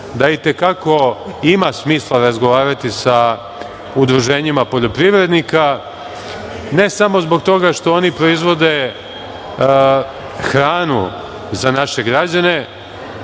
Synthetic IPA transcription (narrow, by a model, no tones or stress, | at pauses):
d̪ait̪e̞kako̞imasmiːslˠaɾazɡo̞ʋaːɾat̪isa | ud̪ɾuʒe̞ːɲimapo̞ʎo̞pɾiʋɾe̞d̪nika | ne̞samo̞zbo̞ɡ̚t̪o̞ɡaʃt̪o̞onipɾo̞izʋo̞d̪e̞ | xɾaːnṵ | zanaʃe̞ɡɾad͡ʑane̞